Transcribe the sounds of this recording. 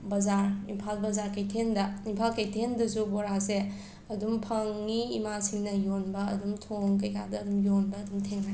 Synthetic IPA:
bɐzaɾimpʰalbɐzaɾkɐjtʰendɐimpʰalkɐjtʰendɐsubɔɾase | ɐdumpʰɐŋːiːmasiŋnɐjonbɐ̰ːdumtʰoŋk̬ɐjkadɐːdumjonbɐːdumtʰeŋnaj

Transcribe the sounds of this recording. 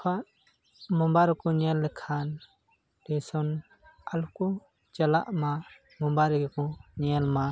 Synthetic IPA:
pʰaʔ | mɔmbaɾɔkɔɲɛlːɛkʰan | dɛsɔn | alukɔ | t͡ʃala̰ʔma | mɔmbaɾɡkɔɲɛlma

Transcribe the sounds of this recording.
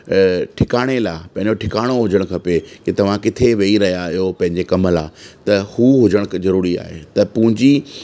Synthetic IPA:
ʈʰɪkaːɽ̃elaːpɐ̃ɦɪ̃ɲd͡ʑoʈʰɪkaːɽ̃oɦʊd͡ʑəɽ̃kʰɐpeket̪ɐʋ̤ãkɪt̪ʰeʋeːiɾɐɦijaɪɦopɐ̃ɦɪ̃ɲd͡ʑekɐməlaːt̪ɐhuːɦʊd͡ʑəɽ̃kzɐɾuːɾia̰ːɦḛt̪ɐpʊ̃ɦɪ̃ɲd͡ʑi

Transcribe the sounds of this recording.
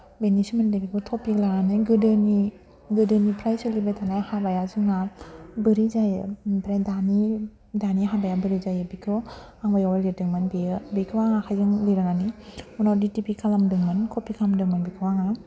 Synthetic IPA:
benismandebikʰɯt̪ʰɔpiklaŋanɯjɡɯdɯni | ɡɯdɯnipʰɾajsɯlibejt̪ʰanajhabajazɯŋabɯɾizajpɾajdani | daniɦabajabɯɾizajɯbikʰɯ | aŋbajawalidɯŋmanbiɯbikʰɯwaŋakʰajzɯŋliɾaŋaniunawditipikʰalamdɯŋmɯnkʰɔpikʰaamdɯŋmɯnbikʰɯwaŋa

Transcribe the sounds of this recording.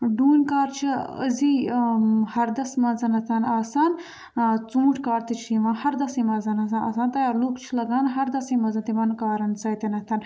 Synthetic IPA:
ɖuːnʲkaːɾt͡ʃʰiə̰zi | hɐɾd̪ɐsmɐzɐnɐt̪ʰɐnaːsaːn | t͡sũːʈʰkaːɾt̪it͡ʃʰiʋãːhɐɾd̪ɐsĩːmɐzɐnɐs̬anʔɐ̰ːsaːnt̪ɐjaːɾloːkt͡ʃʰilɐɡaːnɦɐɾd̪ɐsĩmɐzɐnt̪imɐnkaːɾɐnsɐjt̪inɐt̪ʰɐn

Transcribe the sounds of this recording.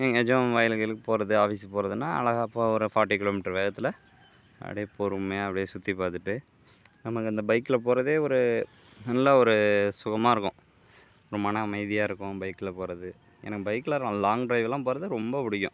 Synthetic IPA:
ɛŋɡɛd͡ʒɐ̃ʋaːjɪlɣɐɭɯkːɯpoːɾɐðɯaːfiːsipoːɾɐðɯnːaːɐ̰ɭɐɣaːpːaːɔɾɯfaːʈːikɪloːmɪʈːɐɾʋeːɣɐt̪ːɪlɐ | ɐ̰ɽɛpoːɾɯmeːɐpːɐɽɪjeːsʊt̪ːipaːɾt̪ɯʈːɯ | nɐmɐkːɯɐnd̪ɐbɐɪkːɯlɐpoːɾɐðeːɔɾɯ | nɐnlːaːɔɾɯsʊɣɐmaːɪɾɯkːʊ̰̃ | ɔɾɯmɐnɐːmɐɪðɪjaːɪɾɯkːʊ̃bɐɪkːɯɪlɐpoːɾɐðɯ | ɛ̰nɐkːɯbɐɪkːɯlɐɾlaːŋɡɖɾɐɪʋɛlːãːpoːɾɐðɯɾɔmbɐpʊɽɪjːʊ̰̃

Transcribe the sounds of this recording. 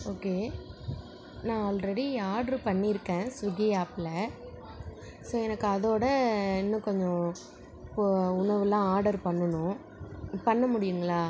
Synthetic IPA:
oːkeː | nãːɔlɾɛɽiaːɾɽɐɾpɐɳːiɪɾɯkːẽːsɪɣɐjaːpɪlɐ | soːɛnɐkːɯɐðoːɽɐɛnːɐ̃kɔɲd͡ʒɔ̃ | ʊɳɐʋɯlãːaːɾɖɐɾpɐɳːɐnʊ̃ | pɐɳːɐmʊɽɪjɯŋɡɐɭaː

